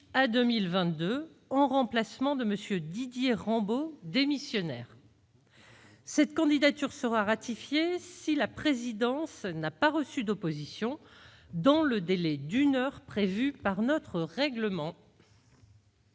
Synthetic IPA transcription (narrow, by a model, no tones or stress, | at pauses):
ad̪ømilvɛ̃t̪̚d̪ø | ɑ̃ʁɑ̃plasmɑ̃d̪əməsjød̪id̪jeʁɑ̃bod̪emisjɔnɛːʁ | sɛt̪kɑ̃d̪id̪at̪yʁsəʁaʁat̪ifjesilapχezid̪ɑ̃snapaʁəsyd̪opozisjɔ̃ | d̪ɑ̃ləd̪elɛd̪ynœʁpχevypaʁnɔt̪χəʁɛɡləmɑ̃